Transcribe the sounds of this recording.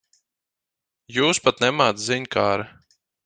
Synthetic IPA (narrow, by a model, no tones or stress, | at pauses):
juːspat̪nɛmaːt̪ziɲʲkaːɾa